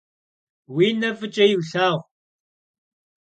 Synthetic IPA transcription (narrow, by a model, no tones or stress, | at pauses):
wiːnɐvɨt͡ʃʼɐjɪwɬaːʁʷ